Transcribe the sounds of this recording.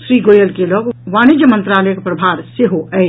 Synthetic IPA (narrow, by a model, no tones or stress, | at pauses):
sɾiɡoːjəlkeloɡʋanid͡ʒjəmənt̪ɾaːləjəkpɾəbʱaːɾseɦoʔɛɪ